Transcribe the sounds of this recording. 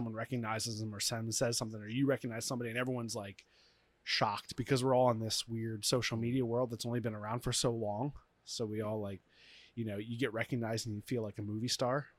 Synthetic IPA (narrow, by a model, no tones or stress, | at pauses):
ʌ̃mwʌ̃nɹɛkɨɡ̚naɪzɨzə̃mə˞sɛ̃nsɛz̥sʌ̃mθɪ̃ŋə˞jɨɹɛkɨɡ̚naɪz̥sʌ̃mbɑɾiɨ̃nɛvɹiwʌ̃nzlaɪk | ʃɑk̚t̚b̥ɨkʰʌzwəɹɔlˠə̃nðɪswɪɹd̥soʊʃl̩ˠmiɾiəwɜ˞lˠd̪̚ðətsõʊ̃nlibɨ̃nə˞ãʊ̃nd̥fə˞soʊlɔ̃ŋ | soʊwiɔlˠlaɪk̚ | jɨnoʊjɨɡɛʔ̚ɹɛkɨɡ̚naɪzdɨ̃n̩jɨfilaɪkɨmʉvistɑɹ